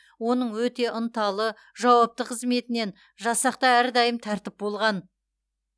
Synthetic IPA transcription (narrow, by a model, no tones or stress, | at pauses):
wo̞nəɴwɵt̪e̞ʔənt̪ɑlˠə | ʒɑwɑp̚t̪əqʰəzme̞t̪ɪne̞n | ʒɑsɑqt̪ɑæɾd̪ɑjəmt̪ʰæɾt̪ɪp̚bo̞lˠʁɑn